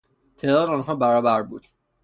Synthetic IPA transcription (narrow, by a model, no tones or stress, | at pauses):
t̪ʰe̞ːd̪ɒːd̪eɔːnɦɒːbæɾɒːbæɾbuːd̪̥